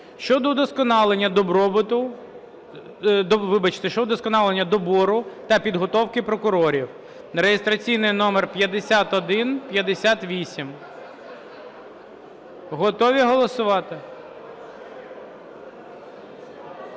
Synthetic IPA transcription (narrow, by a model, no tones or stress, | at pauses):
ʃt͡ʃɔd̪ɔd̪ɔskɔnɑlˠenʲːɐd̪ɔbɾɔbt̪ʊ | ɔʋɪbɐt͡ʃɪ̥t̪ɛʃt͡ʃɔd̪ɔd̪ɔskɔnɑlˠenʲːɐd̪ɔbɔɾʊt̪ɐpʲid̪ɦɔt̪ɔwkɪpɾɔkʊɾɔɾʲiw | ɾejest̪ɾɐt͡sʲijnɪjnɔmerpʲjɐd̪esʲat̪ɔd̪ɪnpʲjɐd̪esʲat̪ʋʲisʲim | ɦɔt̪ɔʋʲiɦɔlˠɔsʊʋɑt̪ɪ